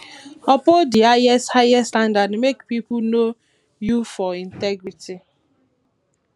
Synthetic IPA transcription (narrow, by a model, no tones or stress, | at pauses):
ɔpodiaɛshaɛstãndadmekpipuno | jufɔĩntɛɡɾiti